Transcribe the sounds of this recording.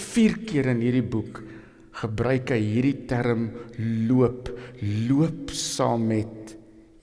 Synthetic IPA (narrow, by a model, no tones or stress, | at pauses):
fiːrkiəɾənɦiːrdibuk | χəbrœɥkəjɦiːrditæɾəmluəpluəpsɑ̰ːmːɛt